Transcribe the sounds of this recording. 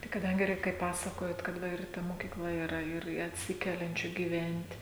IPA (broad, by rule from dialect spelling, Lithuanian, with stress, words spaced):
tɐɪ kɐˈdɐŋʲɡʲɪ ˈrʲɛɪk kɐɪp ˈpɑːsɐkoːjoːt kɐt ˈʋɐ ɪr ˈtɐ moːkʲiːˈklˠɐ iːˈrɐ ɪr ɪ ɐtʲˈsʲɪkʲɛlʲɛnʲt͡ʃʲuː ɡʲiːˈʋʲɛnʲtʲ